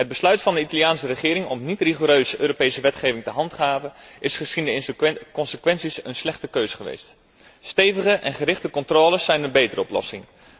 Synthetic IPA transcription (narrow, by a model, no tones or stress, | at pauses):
ɦəd̚bəslœɥtfɑndəitɑlijaːnsərəχɪːɾɪŋɔmnitriχoɾøɥzəʔøːɾopejsəʋɛtχejvɪŋtəɦɑntχaːvənɪsχəsindəkɔnsəkʋɛnsisənslɛχtəkøɥzəχəʋḛjst | stejvəχəʔɛnχəɾɪχtəkɔntroːləsːɛjnənbejtərəɔplɔ̰sɪŋ